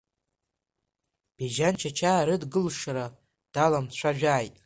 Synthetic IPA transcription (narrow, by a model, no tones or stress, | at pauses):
b̥eʒant͡ʃʰat͡ʃʰaːɾɨdɡɨlʂɾa | d̥alamt͡ɕʷʰaʒᶣaːjtʼ